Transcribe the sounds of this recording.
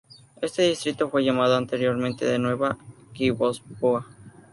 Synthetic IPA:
e̞st̪eðist̪ɾit̪o̞fwe̞ʝamaðoant̪eɾjoɾmẽnt̪e̞ðenwe̞βakiβospua

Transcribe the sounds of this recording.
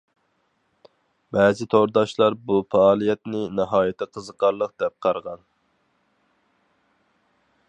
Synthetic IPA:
bɛːzɪt̪ʰoɾd̪ɑʃlˠɑɾbufɑːlˠijɛt̪nɪnɑɦɑːjɛt̪ʰɪqʰəzəqʰɑɾlˠəq̚d̪̥ɛp̚qʰɑɾʁɑn

